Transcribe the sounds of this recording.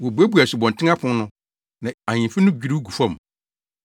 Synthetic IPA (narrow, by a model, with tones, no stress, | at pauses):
wɔ˨bu˨æ˦bu˨˦a˨sɪ˨bɔ̃˨ntʰɪ̃˦ŋa˦pʰʊ̃˦n˦nʊ̃˦ | nã˨a˨ɲĩ˨fɪ˦nʊ̃˦d͡ʑᶣi˦ɾu˦ɡu˨fã˦˨m˨